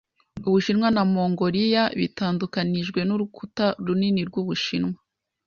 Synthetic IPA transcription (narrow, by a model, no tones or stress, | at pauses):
uβuʃinŋwanamo̞ːŋɡo̞ɾijaβḭtaːndukaniʒɡwe̞nuɾukutaɾuniniɾɡwuβuʃinŋwa